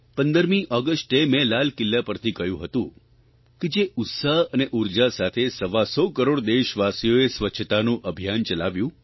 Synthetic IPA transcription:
pənd̪əɾmĩʔɔɡəsʈemẽlalkɪlːapəɾt̪ʰikəjũɦət̪ũ | ked͡ʒeʊt̪saɦəneʔʊɾd͡ʒasat̪ʰesəʋasɔkəɾoɽd̪eʃʋasijoesʋət͡ʃʰət̪anũʔəbʱijant͡ʃəlaʋjũ

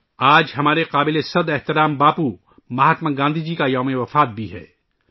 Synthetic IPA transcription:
aːd͡ʒɦɐmaːɾeqaːbɪlesɐd̪ɛht̪ɪɾaːmbaːpu | mɐɦaːt̪mənɡãːnd̪ʱid͡ʒikajɔːmeʋɐfaːt̪̚bʱiɦɛ̰ː

